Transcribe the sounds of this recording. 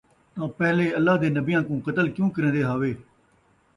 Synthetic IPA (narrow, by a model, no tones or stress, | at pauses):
t̪ãːpɛːleːəlːaːd̪eːnəbɪjãːkũːqət̪əlkjũːkəɾẽːnd̪eːɦaːʋeː